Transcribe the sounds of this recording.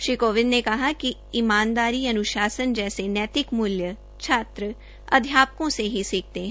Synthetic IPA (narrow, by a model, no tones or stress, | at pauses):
ʃikoːʋɪnnekɐɦaki | imaːnd̪aːɾiːɐnʊʃaːsənd͡ʒɛːsenɛːt̪ɪkmʊljə | t͡ʃʰaːt̪ɾə | ɐ̰d̪ʱjaːp̚kõseɦisiːk̚ʰt̪eɦ